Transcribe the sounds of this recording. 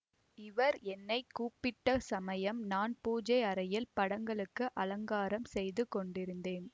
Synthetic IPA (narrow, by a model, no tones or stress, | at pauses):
ɪʋɐɾɛnːɐɪkːuːpːɪʈːɐsɐmɐjɐmnaːnpuːd͡ʒɐɪɐɾɐjɪlpɐɽɐŋɡɐɭɯkːɯʔɐlɐŋɡaːɾɐmsɛjðɯkɔɳɖɪɾɯnd̪eːn